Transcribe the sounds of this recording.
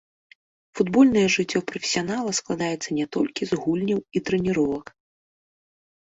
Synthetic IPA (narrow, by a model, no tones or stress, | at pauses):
fud̪bɔlʲnɐjɛʐɨt͡sʲːɔpɾɔfʲe̥sʲijanalˠɐsklˠad̪ajɛt̪sːɐnʲɛt̪ɔlʲkʲizɣulʲnʲɐwit̪ɾɛnʲiɾɔvɐk